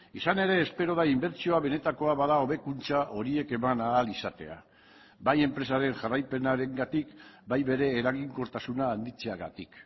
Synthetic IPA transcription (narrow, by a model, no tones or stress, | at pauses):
isane̞ɾe̞ːspe̞ɾo̞ð̞aimbe̞ɾt͡sio̞aβe̞ne̞t̪ako̞aβaðao̞βe̞kunt͡saʔo̞ɾie̞ke̞manaːlisat̪e̞̰a̰ | baje̞mpɾe̞saɾe̞nʝarajpe̞naɾe̞ŋɡat̪ikbajβe̞ɾe̞ːɾaɣiŋko̞t̪asunaːnd̪it͡se̞aɣa̰t̪ik